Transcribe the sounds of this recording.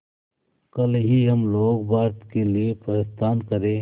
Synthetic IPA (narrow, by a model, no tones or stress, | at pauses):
kɐlɦiɦɐmloːɡbaːɾt̪keliepəɾest̪aːnkəɾẽ